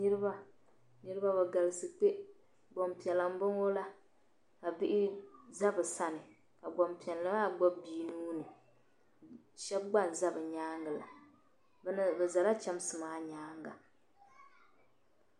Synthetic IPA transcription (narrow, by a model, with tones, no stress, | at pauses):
nɨ˦ɾɨ˦ba˦ | nɨ˦ɾɨ˦ba˦bɛ˨ɡa˨lɨ˦sɨ˨te˦ | ɡ͡bo˨mpi˨ɛ˨la˨m˦bɨ˦ŋo˦la˦ | ka˨bɪ˦ʔɪ˦za˦bɨ˨sa˦nɨ˨ | ka˨ɡ͡bɔ˨mpi˨ɛ˨lːɨ˦maː˦˨ɡ͡bɔ˦bːiː˦nuː˦nɨ˨ | ʃɛ˦b̚ɡ͡ba˦˨nza˦bɨ˨ɲaː˦ŋɡa˨la̰˨ | bnɨ˨bɛ˨za˨la˦t͡ʃa˦m˦sɨ˨maː˦ɲaː˦ŋɡa˨